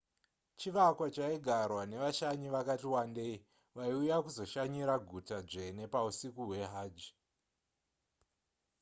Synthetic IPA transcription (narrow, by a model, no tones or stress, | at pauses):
t͡ʃiʋakwat͡ʃaiɡʱarwane̞ʋaʃaɲiʋakatiwandei | ʋaiujakuzo̞ʃaɲiɾaɡʱutad͡ʐe̞ne̞pausikuɦwe̞ɦaːd͡ʒi